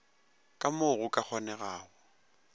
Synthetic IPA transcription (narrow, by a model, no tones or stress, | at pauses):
kʼamoɣʊkʼak͡xʰɔnɛɣaːɔ